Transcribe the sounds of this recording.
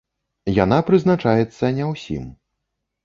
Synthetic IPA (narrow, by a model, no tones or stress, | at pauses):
janapɾɨznat͡ʂajɛt̪sːɐnʲɛwsʲḭm